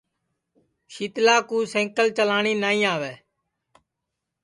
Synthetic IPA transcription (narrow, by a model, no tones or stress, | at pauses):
ʃiːt̪laːkuːsɛ̃ːŋkəlt͡ʃəlaːɳiːnaːĩːaːʋɛː